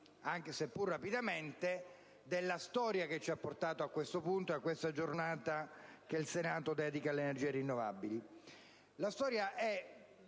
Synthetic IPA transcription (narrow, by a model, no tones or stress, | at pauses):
aŋk̟esepːurːapid̪ament̪e | d̪elːast̪ɔːɾjak̟et͡ʃːiapːort̪aːt̪oakːwest̪opunt̪oeakːwest̪ad͡ʒornaːt̪akeilsenaːt̪od̪ɛːd̪ikaleːnerd͡ʒiːerinːova̰bili | last̪ɔːɾjaʔɛ